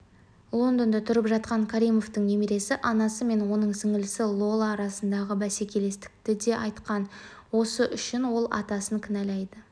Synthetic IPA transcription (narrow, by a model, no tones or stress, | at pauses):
lˠo̞nd̪ond̪ɑt̪ʰʊɾəpʒɑt̪̚qɑŋkʰaɾijmo̞ft̪əŋne̞meɾe̞sɪʔɑnɑsəme̞nwo̞nəɴsɪŋɪlɪsɪlˠo̞lˠaːɾɑsənd̪ɑʁəbæse̞kʲʰe̞le̞st̪ɪ̥k̚t̪ɪd̪e̞ʔɑjt̪qɑn | wo̞səʔʏʃɪnwo̞lˠɑ̰t̪ɑsəŋkʲʰɪnælejd̪ə